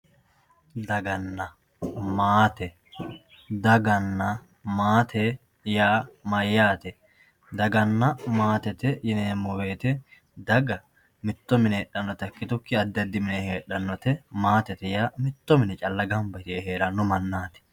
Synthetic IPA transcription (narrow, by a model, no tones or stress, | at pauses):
d̪ɐɡɐnːɐ | maːt̪ɛ | d̪ɐɡɐnːɐ | maːt̪ʰe | jaːmɐjːaːt̪ɛ | d̪ɐɡɐnːɐmaːt̪ɛt̪ɛjɪneːmʊweːt̪ɛ | d̪ɐɡɐ | mɪt̪ːɔmɪneːɗːɐnːɔt̪ɐkːɪt̪ʊkːɪɐd̪ːɐd̪ɪmɪneheːᶑɐnːɔt̪ɛmaːt̪ɛt̪ɛjaːmɪt̪ːɔmɪnɛt͡ʃʼɐlːɐɡɐmbɐt̪ɪeɦeːɾɐnːɔmɐnːaːt̪ɛ̥